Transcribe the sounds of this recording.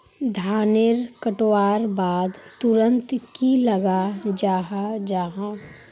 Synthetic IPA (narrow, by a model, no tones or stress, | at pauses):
d̪ʱaːnɪɾkəʈwaːɾbaːd̪t̪ʊɾə̃nt̪kilɐɡad͡ʒaːɦad͡ʒaːɦã